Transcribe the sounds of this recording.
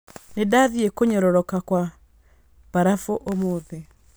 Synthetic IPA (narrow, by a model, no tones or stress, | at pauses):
nedaðiekoɲɔɾɔɾɔkakwa | b̥aɾafoʔomoðe